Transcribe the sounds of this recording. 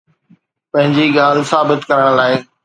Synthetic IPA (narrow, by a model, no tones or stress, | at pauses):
pɐ̃ɦɪ̃ɲd͡ʑiɠaːl̤saːbɪt̪kɐɾəɽ̃laːɪ